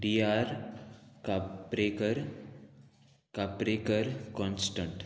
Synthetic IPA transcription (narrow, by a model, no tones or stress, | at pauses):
ɖiaɾkapɾekəɾ | kapɾekəɾkɔ̃nsʈəɳʈ